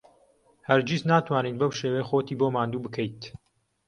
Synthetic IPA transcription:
hɐɾd͡ʒiznaːt̪ʰwaːnit̪̚bɐwʃeːwejxoːt̪iːboːmaːnd̪uːbɨkʰəjt̪

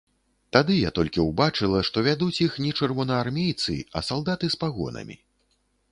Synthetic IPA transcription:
t̪ad̪ɨjat̪ɔlʲkʲiwbat͡ʂɨlˠɐʂt̪ɔvʲad̪ut͡sʲixnʲɛt͡ʂɨrvɔnɐːrmʲejt̪sɨ̰ɐ̰salˠd̪at̪ɨspaɣɔ̰nɐ̰mʲḭ

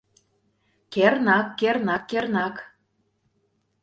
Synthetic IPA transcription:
kernɑkːernɑkːernɑk

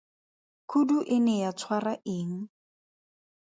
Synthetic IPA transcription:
kʰuduʔɪnɛjat͡sʰwaraʔɪːŋ̩

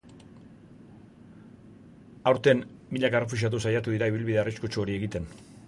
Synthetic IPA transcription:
awɾt̪e̞nmiʎakerefuʃ̬iat̪̬usajat̪uðiɾaiβilβiðe̞ariskut͡ʃuo̞ɾie̞ɣit̪e̞n

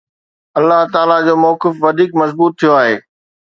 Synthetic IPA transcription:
ɐlːaɦt̪aːlad͡ʑoːmɔːkɪfʋɐd̪ʱiːkmɐzbuːt̪ʰːijoaːɦeː

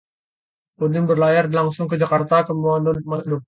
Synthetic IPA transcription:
ponɪmbərlajarlaŋsʊŋkəd͡ʒakart̪akəmuannmadɔ

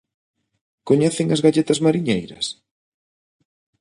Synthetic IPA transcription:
koɲeθɪŋɐzɣaʎet̪ɐzmaɾiɲejɾɐ̰s

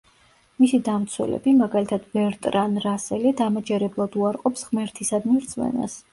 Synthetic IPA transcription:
misid̪amt̪sʰwɛ̰lɛ̰bimaɡalit̪ʰad̪̥bɛɾt̪ʼɾanɾasɛlid̪amad͡ʒɛɾɛblˠad̪uaɾqʼɔpsʁmɛɾt̪ʰisad̪miɾd̪szʰʼmɛ̰na̰s

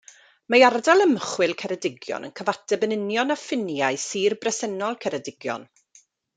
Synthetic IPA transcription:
mejardalˠəmχwɪlˠkʰɛɾɛdɪɡjɔ̰nə̰nkʰəvatʰɛbənɪnjɔnafɪnjajsiːrbrɛsɛnɔlˠkʰɛɾɛdɪɡjɔ̰n

